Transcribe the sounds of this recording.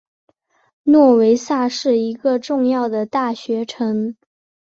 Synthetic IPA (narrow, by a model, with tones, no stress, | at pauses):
nwɔ˥˩we˧˥ɪsa˥˧ʂɻ̩˥˩i˧˥ɡə˧ʈ͡ʂʊ˥˧ŋjɑ˥˩ʊd̪ə˩t̪a˥˩ɕɥɛ˧˥ʈ͡ʂʰɤ˧˥ŋ